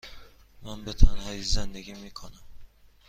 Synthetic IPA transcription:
mænbet̪ʰɒnæjizzend̪eɡʲimiːkʰonæm

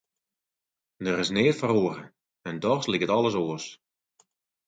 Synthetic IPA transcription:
dəɾɪsnɪːtfəroːəɾə | ɛndɔxslikətɔlˠəsoːəs

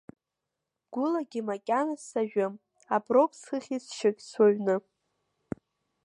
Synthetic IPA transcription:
ɡ̥ʷʊlaɡʲɪmakʲʼanasaʒᶣɨm | abropʰsχɨχʲisʃaɡʲʼsaɥnɨ

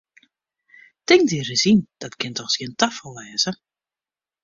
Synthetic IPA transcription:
tɪŋtirɪsind̥ɔtkɪntɔxsjəntafəlˠɛːzə

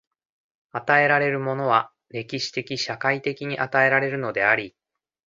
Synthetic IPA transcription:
at̪ae̞ɾaɾe̞ɾɯ̟mo̞no̞β̞a | ɾe̞kʲiɕi̥t̪e̞kʲiɕakait̪e̞kʲiɲ̟iʔat̪ae̞ɾaɾe̞ɾɯ̟no̞d̪e̞aɾʲi

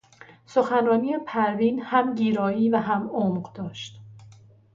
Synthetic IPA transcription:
so̞xænɾɒːniːjepʰæɾviːnhæmɟiːɾɒːiːvæɦæmomɢd̪̥ɒːʃt̪

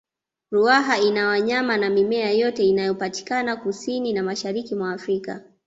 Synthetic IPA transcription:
ɾuaɦainawaɲamanamimɛajɔtɛinajɔpati̥kanakusininamaʃaɾikimwaːfɾika̰

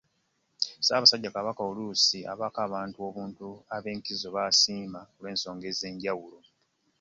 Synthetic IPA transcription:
saːβasaɟːakaβakaolusia̰βakaːβaːntuo̞ːβuːntuaβe̞ːŋkizo̞βasiːmakolwe̞ːnso̞ːŋɡe̞ːze̞ːɲɟawulo̞

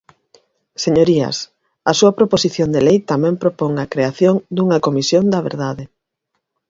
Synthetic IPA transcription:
seɲoɾiɐ̰s | ɐsuɐpɾoposiθjond̪elejt̪amɛ̃mpɾopoŋɐkɾeaθjoŋd̪uŋɐkomisjond̪ɐβḛɾðaðe

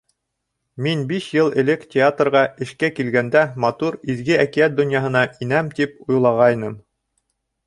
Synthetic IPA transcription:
minbiʃjɤlˠɘ̆lɘkt̪ʲeat̪rʁɑɘ̆ʃkækilɡænd̪æmɑt̪uɾiðɡɘækijæt̪̚d̪ŏnjɑɦɤ̆nɑʔinæmt̪ipujlˠɑʁɑjnɤm

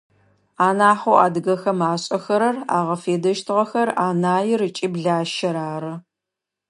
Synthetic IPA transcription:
aːnaːħowaːdɨɣɐxɐmaːɕʼɐxɐɾɐra̰ːʁɐfeːdɐʃtʰɨʁɐxɐraːnaːjɪrɨt͡ʃʼiːbɮaːʃɐɾaːrɨ

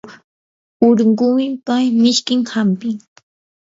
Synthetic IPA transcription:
ʊɾɢʊmɪpajmɪʃkɪŋhampɪŋ

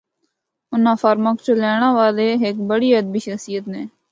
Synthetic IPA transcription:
ʊnãːfəɾməkt͡ʃolɛːɽ̃ãːʋaːleːɦɪkbəɽiːəd̪̚biːʃəksijət̪neː

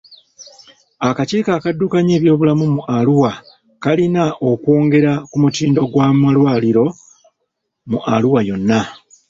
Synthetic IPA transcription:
akaciːkaːkadːukaɲe̞ːβjo̞ːβulamumuʔaluwa | kalinaʔo̞kwo̞ːŋɡe̞ɾakumutiːndo̞ɡwamalwaːliɾo̞ | muʔaluwajo̞nːa

